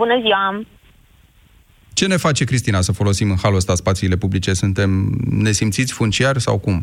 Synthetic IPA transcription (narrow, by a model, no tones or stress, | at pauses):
bunəziwam | t͡ʃe̞ne̞fat͡ʃe̞kɾis̬t̪inasəfo̞lo̞simɨnxalost̪aspat̪siːle̞publit͡ʃe̞sunt̪e̞mne̞simt̪sit̪sʲfunt͡ʃiarʲsa̰wkum